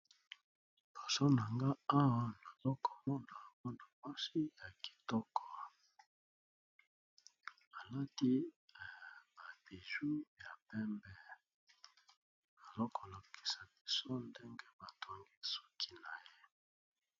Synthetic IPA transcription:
b̥o˨so˦na˨ŋɡa˦a˦wa˦na˨zɔ˦ko˨mɔ˦na˨mɔ˦na˨mwa˦si˦ja˨ki̥˨tɔ˦kʰɔ˨ | a˨la˦ti˦˨ | ba˨be˨zu˦ja˨pɛ˦mbɛ˦ | ba˨lɔ˦kɔ˨la˨ki̥˨sa˨bi˨so˦nde˦ŋɡe˦ba˨tʰo˦ŋɡi˦so̥˦kʰi˦na˨je˦

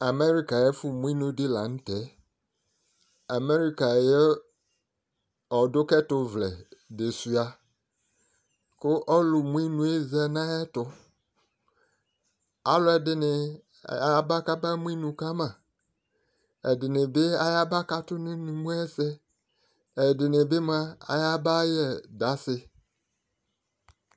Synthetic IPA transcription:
a˨me˦ɾi˦ka˨jɛ˦fʊ˨mũ˦i˦nũ˦dɪ˦la˨n̩˦tɛ˨˦ | a˨me˦ɾi˦ka˨jɛ˦ | ɔ˨dʊ˦kɛ˦tʊ˨vlɛ̰˨de˨su˨a˨ | kʊ˦ʔɔ˦lʊ˨mũ˦i˦nũ˦e˦zɛ˦nã˦ɛ˦tʊ˨ | a˨lʊ˦ɛ˨dɪ˦nɪ˨˦ | ba˦ka˦ba˦mũ˦i˦nũ˨ka˦mã˨ | ɛ˨dɪ˨nɪ˨be˦a˨ja˦ba˦ka˦tʊ˦nɪ̃˦nɪ̃˨mũ˦ɛ˦sɛ˦ | ɛ˨dɪ˨nɪ˨be˦m˦a˦a̰˨ja˦ba˦jɛ˨da˦sɪ˦

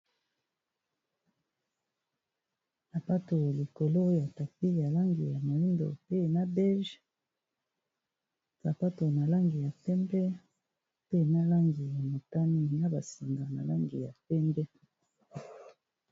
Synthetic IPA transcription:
na˨pa˦to˨li˨ko˨lo˦ja˨ta˨pi˦ja˨la˦ŋɡi˨ja˨mo˨li˦ndo̰˨pe˦na˦bɛ˦ʒ | sa˨pa˦to˨na˨la˦ŋɡi˨ja˨pɛ˦mbɛ˦ | pe˦na˦la˦ŋɡi˨ja˨mo˨ta˦ni˦na˦ba˨si˨ŋɡa˨na˨la˦ŋɡḭ˨ja̰˨pɛ˦mbɛ˦

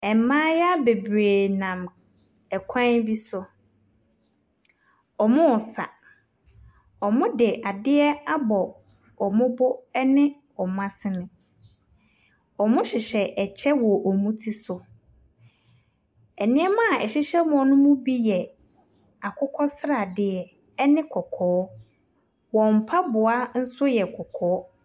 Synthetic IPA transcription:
ɛ˨m˨mãː˦ja˦be˨bɾeː˨nã˨m | ɛ˨kʷʰã˦bi˦sʊ˨ | ɔ˨mʊ̃˦ɔ˨sa̰˨ | ɔ˨mʊ̃˦dɪ˨ʔa˨dɪ˦ɛ˦a˦bɔ˨ | ɔ˨mʊ̃˦bʊ˦ɛ˦nɪ̃˦ | ɔ˨mʊ̃˦a˦sɪ˦nɪ̃˨ | ɔ˨mʊ̃˦ɕɪ˨ɕɛ˨ʔɛ˨t͡ɕʰɛ˦wɔ˨ʔɔ˨mũ˦tʰi˦sʊ˨ | ɛ˨nɪ̃˦ɛ˦mã˦˨ɛ̰˨ɕɪ˦ɕɛ˦mʊ̃˨ɔ̃˨nʊ̃˦mʊ̃˦bi˦jɛ˨ | a˨kʰʊ˦kʰɔ˦sɾa˨dɪ˦ɛ˨ | ɛ˦nɪ̃˦kʰɔ˨kʰɔː˨˦ | wɔ̃˨m̩˨pʰa˦bʊ˨a˦n̩˦sʊ˦jɛ˨kʰɔ˨kʰɔː˨˦

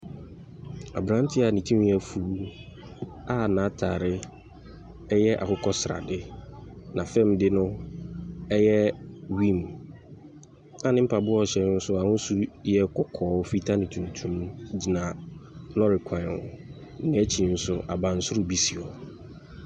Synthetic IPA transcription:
a̰˨bɾã˨˦n˦tʰɪ˦a˨nĩ˨tʰũ˦m˦ɛ˨fu˨˦ | a˦nã˨˦tʰaː˨ɾɪ˦ | ɛ˦jɛ˦ʔa̰˨kʰʊ˦kʰɔ˦sɾa̰˨dɪ˦nã˨fɛ̃˦˨mdɪ˦nʊ̃˦ | ɛ˦jɛ˦wĩ˦˨m | ã˨˦nɪ̃˦m̩˦pʰa˨bʊ˦ɔ˦˨ɕɛ˨n˦n̩˦sʊ˦a˨hʊ̃˦su˦jɛ˦kʰɔ˨kʰɔː˨˦fi˦tʰa˦nɪ̃˨tʰũ˨n˨tʰũ˦md͡ʑi˨nã˨nɔ̃˦ɾɪ˨kʷʰã˨n˨ʊ˨˦ | nɪ̃˨˦ɛ˦t͡ɕʰi˨n̩˦sʊ˦ʔa˨bã˨n̩˦sʊ˦ɾʊ˨bi˦si˨ɔ˨

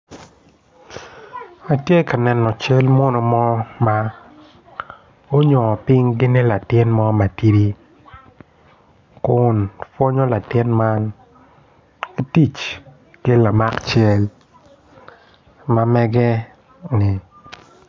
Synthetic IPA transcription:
a˨tje˦ka˨nɛ˨nːɔ˨t͡ʃe˦lmɔ˦nɔ˨mɔ˦ma˦ | o˦ɲɔ˨pɪ˦ŋɡɪ˦nɪ˦la˨tɪ˦nmɔ˦ma˨ti˦di˦ | kʊ˨nfwo˦ɲɔ˦la˨tɪ˦nma˦n | e˦ti˦˨t͡ʃ | ke˦la˨ma˦kt͡ʃe˦l | ma˦mɛ˦ɡɛ˦ | nɪ˨

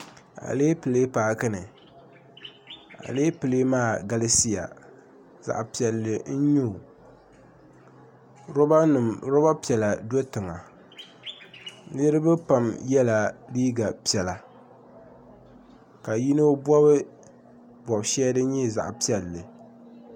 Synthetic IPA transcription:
a̰˨leː˦pɨ˨le˦paː˨kɨ˦nɨ˨ | a̰˨leː˦pɨ˨le˦maː˦˨ɡa˦la˦si˦ja̰˨ | za̰˨ʔpi˨ɛ˨lːɨ˨n̩˦ɲu˦˨ | ɾo˦ba˦nɨ˨mɾo˦ba˦pi˨ɛ˨la˨do˦tɨ˨ŋa˨ | nɨ˦ɾɨ˦bɨ˦pa˨mjɛ˦la˨liː˦ɡa˨pi˨ɛ˨la˨ | ka˨ji˦no˦bɔ˦βɨ˦ | bwɔ˨bʃɛ˦dɨ˦ɲɛ˦za̰˨ʔpi˦ɛ˨lːɨ˨

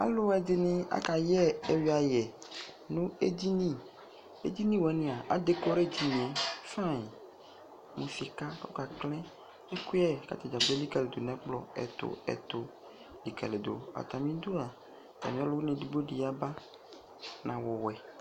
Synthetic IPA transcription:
a̰˦lo˦ɛ˦˨d̪e˨nĩ˦a̰˦ka˨jɛ˦e˦wi˨˦a˨jɛ˨ | nũ˦e˦di˦nĩ˦˨ | ḛ˦di˦nĩ˦wɛ˨˦nĩ˨a˨a̰˦de˨˦ko˦ɾe˦˨d̪i˦nĩ˨e˦fã˦˨i˨ | mũ˨si˨ka˦ko̰˦ka˨klɛ̃˦ | e˦ku˦ɛ˦˨ka̰˨t̪e˨d͡ʒa˨ɡ͡be˦li˦ka˨le˨d̪o˨nɛ̃˦k͡plɔ̰˨ɛ̰˨t̪o̰˨ɛ̰˨t̪o˨ | li˨ka̰˨le˨d̪o̰˨a̰˨t̪a˨mĩ˦d̪o˦a˨ | t̪a̰˨mĩ˨˦a˦lo˦u˦nẽ˨ɖi˨ɡ͡bo˦ɖi˨ja˦ba˦ | nʔã˨wɔ˨wɛ˨

